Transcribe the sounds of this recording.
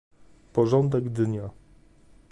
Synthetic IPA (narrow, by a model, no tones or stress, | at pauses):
pɔʐɔnd̪ɛɡd̪ɲa